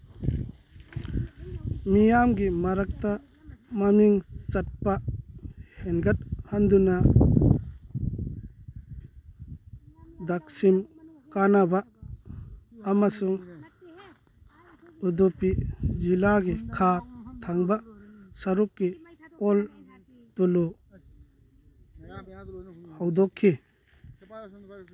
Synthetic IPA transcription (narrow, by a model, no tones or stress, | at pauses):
mijamɡimaɾak̚t̪a | mamiŋsat̚pa | hɛnɡat̚hand̪una | d̪ak̚sim | kanaba | amasuŋ | ud̪upid͡ʒilaɡekʰat̪ʰaŋbasaɾukːiɔl | t̪ulu | hawd̪ɔkʰːi